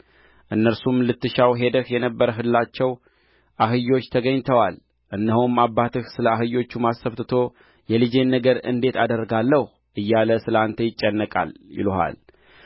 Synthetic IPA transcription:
ʔɨnːəɾsumlɨt̪ːɨʃawɦe̞d̪əhjɛnəbːəɾəɦɨllːat͡ʃːɛw | ʔaɦɨjo̞t͡ʃːt̪ʰəɡəɲːt̪ʰəwal | ʔɨnːəɦomabːat̪ɨhsɨləaɦɨjo̞t͡ʃːumasːəβt̪ɨt̪ʰo̞ | jɛlɨd͡ʒe̞nːəɡəɾɨ̰nd̪e̞t̪ʰad̪əɾːɡalːəh | ʔɨjːaləsɨlant̪ʰəjɪt͡ʃʼːənːəkʼa̰ljɪ̰loɦa̰l

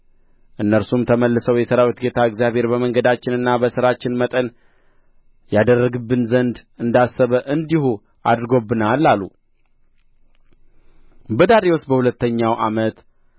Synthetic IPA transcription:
ʔɨnːəɾsumt̪ʰəməlːɨsəwjɛsəɾawit̪ɡe̞t̪ʰaɨɡzjaβhe̞ɾbəməŋɡəd̪at͡ʃːɪnɨnːabəsɨɾat͡ʃːɪnmət̪ʼən | jad̪ərːəɡɨbːɨnzənd̪ɨnd̪asːəβəʔɨnd̪ihu | ʔa̰d̪ɾɨɡo̞bːɨnalːalːṵ | bəd̪aɾiosbəhulət̪ːəɲːawʔamət̪

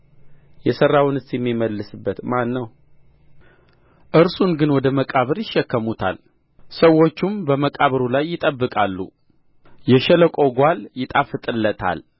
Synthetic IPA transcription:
jɛsərawnɨst̪jɛmːiməlːɨsɨbːət̪manːəw | ʔɨɾsunɡɨnwɔd̪əməkʼaβɨɾjɪʃːɛkːəmut̪ʰa̰l | səwːo̞t͡ʃːumbəməkʼaβɨɾulajːɪt̪ʼəbːɨkʼalːṵ | jɛʃɛləkʼo̞ɡʷaljɪt̪ʼafɨt̪ʼɨlːət̪ʰa̰l

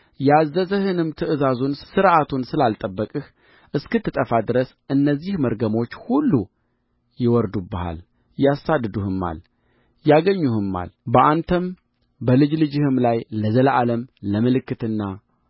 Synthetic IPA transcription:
jazːəzəhɨnɨmt̪ʰɨʔɨzazunsɨɾʔat̪ʰunsɨlalt̪ʼəbːəkʼɨh | ʔɨskɨt̪ʰːɨt̪ʼəfad̪ɨɾəsʔɨnːəzːihməɾɡəmo̞t͡ʃːhulːu | jɪwɔɾd̪ubəha̰l | jasad̪ːɨd̪uhɨmːa̰l | jaɡəɲːuhɨmːa̰lbəʔant̪ʰəm | bəlɨd͡ʒlɨd͡ʒɪhɨmlajləzəlʔaləmləmɨlɨkːɨt̪ɨnːa

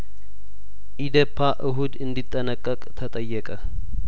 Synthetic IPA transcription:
ʔid̪əpʰːaʔɨɦud̪ɨnd̪it̪ʼːənəkʼːəkʼt̪ʰət̪ʼəjːɛkʼə

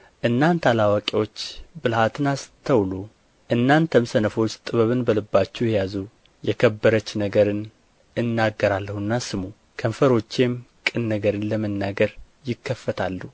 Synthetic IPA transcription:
ʔɨnːant̪alawakʼewo̞t͡ʃːbɨlhat̪ʰɨnast̪ʰəwlo | ʔɨnːant̪ʰəmsənəfo̞t͡ʃːt̪ʼɨβəβɨnbəlɨbːat͡ʃːujjazu | jɛkʰəbːəɾət͡ʃːnəɡəɾɨn | ɨnːaɡːəɾalːəhunːasɨmu | kʰəmfəɾo̞t͡ʃːe̞mkʼɨnːəɡəɾɨnləmənːaɡəɾ | jɪkʰːəfːət̪ʰalːu

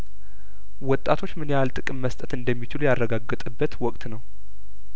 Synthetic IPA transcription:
wɔt̪ʼːat̪ʰo̞t͡ʃːmɨnjalt̪ʼɨkʼɨmːəst̪ʼət̪ɨnd̪əmːit͡ʃɪlujarːəɡaɡːɨt̪ʼɨbːət̪wɔkʼt̪ʼnəw

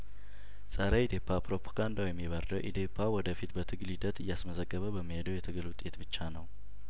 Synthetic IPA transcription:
sʼəɾəid̪epʰːapɾo̞pʰoɡand̪awjɛmːiβəɾd̪əwʔḭd̪epʰːawɔd̪əfit̪bət̪ʰɨɡlid̪ət̪ɨjːasməzəɡːəβəbəmːihe̞d̪əwjɛt̪ʰɨɡɨlwʊt̪ʼe̞t̪bɨt͡ʃːanəw

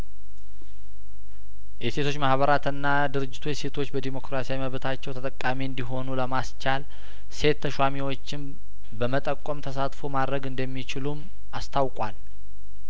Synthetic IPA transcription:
jɛse̞t̪ʰo̞t͡ʃːmahβəɾat̪ɨnːa | d̪ɨɾɨd͡ʒːɪt̪ʰujɛse̞t̪ʰo̞t͡ʃːbəd̪emo̞kɾasijaiməβt̪ʰat͡ʃːɛwt̪ʰət̪ʼəkʼːamiɨnd̪iɦo̞nuləmast͡ʃal | se̞t̪ʰːəʃwamiwo̞t͡ʃːɪn | bəmət̪ʼəkʼːomt̪ʰəsat̪fomad̪ɾəɡɨnd̪əmːit͡ʃɪlum | ast̪ʰawkʼwal

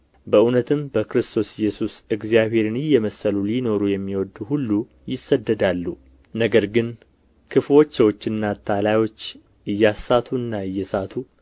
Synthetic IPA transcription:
bəʔunət̪ʰɨmbəkɾɨst̪ʰo̞sɪjːɛsusɨɡzijaβhe̞ɾɨnɪjːɛməsəlulino̞ɾujɛmːiwɔd̪uhulːu | jɪsːəd̪ːəd̪alːu | nəɡəɾɡɨn | kʰɨflo̞t͡ʃːəwot͡ʃːɨnːat̪ʰalajwo̞t͡ʃː | ɨjːasːat̪ʰuɨnːaɨjːɛsat̪ʰu

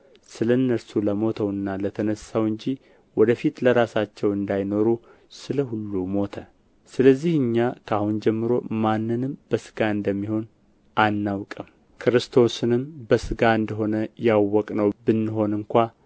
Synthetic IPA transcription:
sɨləɨnːəɾsuləmo̞t̪ʰəwɨnːalət̪ʰənəsːawɨɲd͡ʒi | wɔd̪əfit̪ləɾasat͡ʃːɛwɨnd̪ajno̞ɾu | sɨləhulːumo̞t̪ʰə | sɨləzːihɨɲːakʰahund͡ʒɛmːɨɾo̞manːɨnɨmb̥əsɨ̥ɡaɨnd̪əmːiho̞n | ʔanːawkʼəm | kʰɾɨst̪ʰo̞sɨnɨmbəsɨɡaɨnd̪əɦo̞nəjawːɔkʼnəwbɨnːɨɦo̞nɨŋkʷa

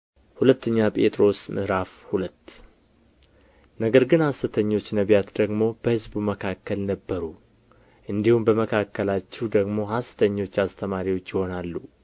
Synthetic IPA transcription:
hulət̪ːəɲːapʼe̞t̪ʼɾo̞smɨ̰ɾafhulət̪ː | nəɡəɾɡɨnhasɨt̪ʰəɲːo̞t͡ʃːnəβjat̪d̪əɡmo̞b̥əhɨzbuməkʰakːəlnəbːəɾu | ʔɨnd̪ihumbəməkʰakːəlat͡ʃːɛwd̪əɡmo̞ɦasɨ̥t̪ʰəɲːo̞t͡ʃːast̪ʰəmaɾiwo̞t͡ʃːjɪho̞nalːu

